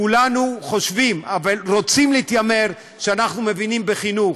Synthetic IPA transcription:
ulanuχo̞ʃvimavalʁo̞t͡simliːt̪jame̞ʁ | ʃeanaχnume̞vinimbeχinuχ

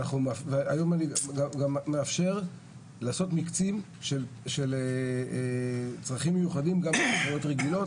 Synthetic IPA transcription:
naχumveajo̞maniɡaɡamːeafʃe̞ʁ | laːso̞t̪mikt͡sim | ʃelʃel | t͡sʁaχimːejuχadimɡamemeχajo̞tʁeɡilo̞t

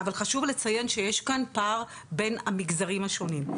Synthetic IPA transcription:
avalχaʃuvlet͡saje̞nʃeje̞ʃkanpaːʁ | be̞namiɡzaʁimhaʃo̞nim

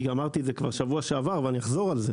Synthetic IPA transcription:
amaʁt̪idzekva̰ʁʃavuaʃeavaʁveanijaχzo̞ʁalze

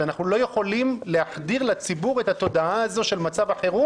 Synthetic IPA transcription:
anaχnulo̞je̞χo̞limle̞aχd̪iʁlat͡sibuʁet̪hat̪o̞daaːzo̞ʃe̞lmat͡savaχe̞ʁu

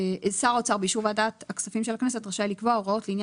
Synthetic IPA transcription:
ʔesaʁot͡saʁbeiʃuʁvaadaːthaksafimʃelhaknese̞tʁaʃalikvoaoʁao̞t̪leinja

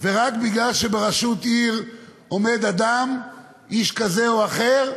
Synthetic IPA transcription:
veʁakbiɡlalʃebeʁaʃut̪iʁ | o̞me̞d̪ad̪am | ʔiʃkaze̞oaχe̞ʁ

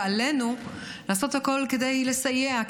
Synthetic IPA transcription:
ale̞nu | laːso̞t̪hako̞lked̪ejle̞sajea

